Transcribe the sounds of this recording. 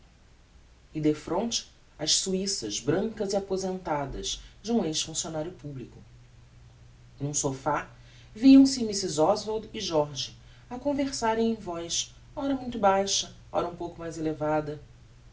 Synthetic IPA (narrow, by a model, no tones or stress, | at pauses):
ɪd̪efɾõnt͡ʃɪ̥ | ɐʃsuisɐʒbɾɐ̃ŋkɐziapozẽnt̪ad̪ɐzd͡ʒɪũejʃfũsionaɾjʊpublikʊ | nũsofa | viɐ̃w̃sɪ̃misizɔzvod̪ɪʒɔɾʒɪ | ɐkõveɾsaɾẽj̃ẽj̃vɔjʃ | ɔɾɐmũj̃t̪ʊbajʃɐ | ɔ̰ɾɐũpowkʊmajzelevad̪ɐ